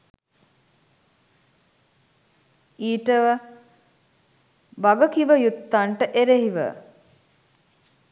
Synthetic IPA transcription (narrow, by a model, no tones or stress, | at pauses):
iːʈəʋə | baɡəkiʋəjut̪ːaɳʈəʔeɾeɦiʋə̰